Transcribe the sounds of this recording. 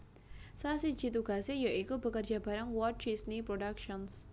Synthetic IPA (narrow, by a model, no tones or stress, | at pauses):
sasid͡ʒit̪uɡasejaʔikubəkərd͡ʒabaɾaŋwɔt͡ʃisnipɾoɖakʃɔns